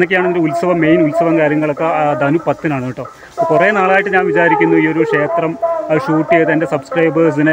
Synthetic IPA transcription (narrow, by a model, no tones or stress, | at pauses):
nɐkʲːejaːɳendeulsɐʋɐmːejnulsɐʋɐmkaːɾjɐŋːɐɭokːɐd̪ɐnupɐt̪ːinaːɳɨiʈːoː | kurenaːɭaːjiʈːɨɲaːnʋit͡ɕaːɾikʲːunːuiːo̞ɾukʂe̞ːt̪rɐmɕuːʈːijejt̪ɐnde̞sɐbskrɐjbɨsinɨ